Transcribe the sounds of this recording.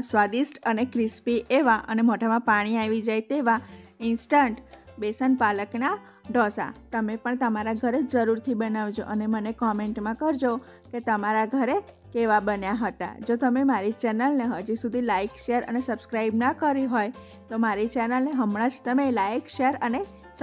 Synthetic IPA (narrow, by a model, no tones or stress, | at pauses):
sʋad̪isʈənekɾɪspiʔeʋaʔənemoʈʰamãpaɽ̃iaʋid͡ʒajt̪eʋaɪnsʈəɳʈbesənpaləkna | ɖɔsa̰t̪əmepəɳt̪əmaɾaɡʱəɾed͡ʒəɾuɾt̪ʰibənaʋd͡ʒo̰ʔənemənekɔmeɳʈmãkəɾd͡ʒo | ket̪əmaɾaɡʱəɾe | keʋabənjaɦət̪a̰d͡ʒot̪əmemaɾit͡ʃɛnəlneɦəd͡ʒisud̪ʱilajkʃeəɾə̰nesəbskɾaɪbnakəɾiɦoj | t̪omaɾit͡ʃɛnəlneɦəmɳãd͡ʒt̪əmelaikʃeɾəne | s